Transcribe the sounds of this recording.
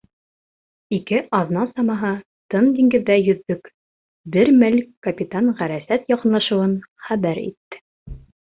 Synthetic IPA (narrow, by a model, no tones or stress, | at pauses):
ikɘʔɑðnɑsɑmɑɦɤ | t̪ɤnd̪iŋɡɘ̆ðːæjɵ̆ðːɵk | bɘɾmɘlkkːɐpʲit̪anʁæɾæsæt̪jɒqɤ̆nlˠɑʃŭwɤnχæβæɾḭt̪ːɘ̥